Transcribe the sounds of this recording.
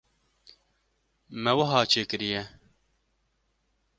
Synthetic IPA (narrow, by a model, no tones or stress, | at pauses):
mɛwɐɦɑːt͡ʃʰeːkɨɾijɛ